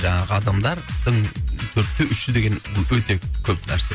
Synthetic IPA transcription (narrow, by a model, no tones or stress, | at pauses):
ʒɑŋqəɑd̪ɑmd̪ɑɾd̪̥əɴt̪ʰɵɾt̪ːɪʔʏʃːɪd̪eɡʲe̞nˠwɵt̪e̞kʲʰɵpnæ̰ɾsə